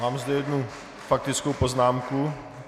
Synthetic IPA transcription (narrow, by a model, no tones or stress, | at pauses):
maːmzd̪ɛjɛd̪nu | fak̚t̪ɪt͡skowpoznaːmku